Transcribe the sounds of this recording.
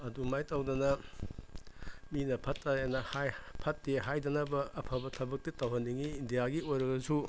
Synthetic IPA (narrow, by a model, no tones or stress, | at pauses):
ɐdumajtɐwdɐnɐ | minɐpʰɐtːajanɐhpʰɐtːeɦajdɐnɐbɐːpʰɐbɐtʰɐbɐk̚titɐwɦɐnːiŋiːndijaɡiojɾɐɡɐzu